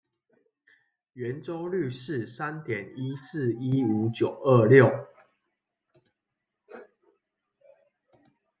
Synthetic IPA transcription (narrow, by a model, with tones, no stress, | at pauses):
ɥɛ˨˦nʈ͡ʂo˦ʊly˥˨ʂɻ̩˥˨sa˦nt̪jɛ˨˩ni˦˥sɹ̩˥˨i˦u˨˥t͡ɕjo˨˩ʊə˥˧ljo˥˨ʊ